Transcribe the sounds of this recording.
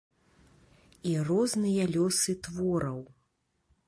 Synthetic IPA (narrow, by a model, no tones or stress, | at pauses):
irɔznɨjɐlʲɔsɨt̪vɔɾɐw